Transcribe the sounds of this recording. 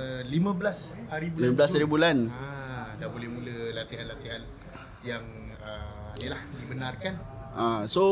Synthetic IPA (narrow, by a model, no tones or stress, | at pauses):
limə̃bəlashaɾibuliməbəlashaɾibulanadabolɛhmuləlat̪iɦanlat̪iɦan | jaŋ | əmnilahdibənarkanʔaso